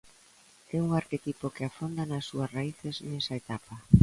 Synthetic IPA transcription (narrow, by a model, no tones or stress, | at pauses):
ɛuŋaɾket̪ipokeafond̪anasːuɐsraiθeznɛsaet̪apa